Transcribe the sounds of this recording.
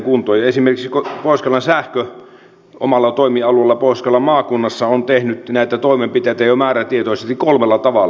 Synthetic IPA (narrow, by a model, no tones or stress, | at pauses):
kunt̪oːjɑesimerkiksikopoˑiskɑlːɑnsæhkø | ʔo̰mɑlːɑt̪oˑimiɑluelːɑpoˑiskɑlːɑmɑːkunːɑsːɑont̪ehnyt̪næˑit̪æt̪oˑimempit̪eˑit̪æjomæːræt̪iet̪oˑisest̪ikolmelːɑt̪ɑʋɑl